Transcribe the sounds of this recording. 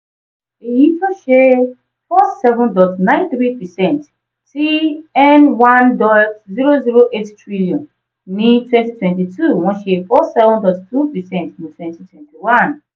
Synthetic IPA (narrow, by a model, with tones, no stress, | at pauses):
i˨ji˦tɔ˦ʃe˦ | fɔ˦sɛ˦vɔ̃˦ndɔ˨tnã˦ɪ̃nθɹi˦pɛ˨sɛ̃˨nt | si˦ɛ˦nwã˦ndɔ˦tzi˦ɹo˦zi˦ɹo˦ʔe˦ttɹiliɔ̃˨n | nĩ˦twɛ̃nti˦twɛ̃˨nti˨tʰu˦wɔ̃˦ʃefɔ˦sɛ˦vɔ̃ndɔ˨ttu˦pɛ˨sɛ̃˨ntnĩ˨twɛ̃nti˦twɛ̃˨nti˨wã˦n